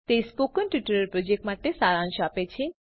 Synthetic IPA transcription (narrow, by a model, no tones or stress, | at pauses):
t̪espokənʈʋɪʈəɾəɾpɾod͡ʒek̚ʈmaʈesaɾãnʃapet͡ʃʰe